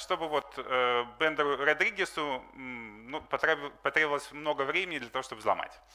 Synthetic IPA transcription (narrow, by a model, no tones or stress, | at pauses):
ʂt̪o̞bɨvo̞t̪əbɛnd̪ɾʊrɐd̪ɾʲiɡʲɪsʊ | nupɐt̪ɾpɐt̪ɾʲebvlˠəsʲmno̞ɡəvɾʲemʲɪnʲɪd̪lʲɐt̪ɐvoʂt̪obɨzlˠɐ̰ma̰tʲ